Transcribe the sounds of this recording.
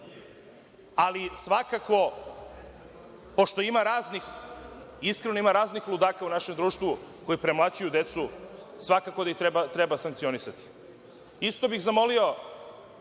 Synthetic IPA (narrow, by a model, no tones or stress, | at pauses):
alisʋakako̞ | po̞ʃt̪o̞imaɾaːznix | iskɾeno̞imaɾaːznixlˠud̪aːkaunaʃe̞md̪ɾuːʃt̪ʋuko̞jipɾemlˠat͡ɕujud̪e̞t̪su | sʋakako̞d̪ait̪ɾebat̪ɾebasaŋk̚t̪sio̞nisat̪i̥ | ist̪o̞bixzamo̞lio̞